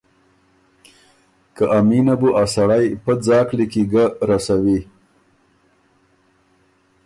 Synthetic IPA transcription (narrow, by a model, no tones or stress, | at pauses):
kaʔaminabuʔasaɽajpəd͡zɑːklikiɡaɾasawi